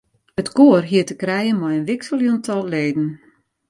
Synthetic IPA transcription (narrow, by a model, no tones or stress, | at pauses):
ətkoːərɦiətəkrɛjənmɔjənʋɪksəlˠjuntʰɔlˠleːdn̩